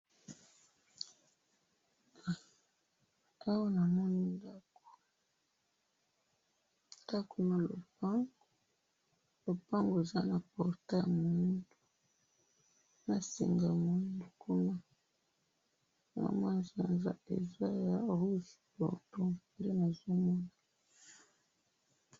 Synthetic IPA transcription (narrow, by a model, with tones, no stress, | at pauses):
a˦wa˦na˨mɔ˦ni˦nda˦ko̥˨ | nda˦ko˨na˨lo̰˨pa˦ŋo˨ | lo˨pa˦ŋɡo˨e˨za˦na˨pɔ˨ʁte˦˨mo˨ndo˦ | na˨sḭ˨ŋɡa˨mo˨ndu˨ko˦ma˦˨ | ŋa̰˨mwa˦nza˨nza̰˦ḛ˨za˦ja˨ʁu˦si̥˨pɔ̰˨to˦˨le˦na˨zo˦mɔ˦na˨